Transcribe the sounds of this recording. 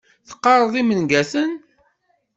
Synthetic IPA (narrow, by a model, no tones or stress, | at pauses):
θə̥qːɑɾˤəðˤimənɡæθən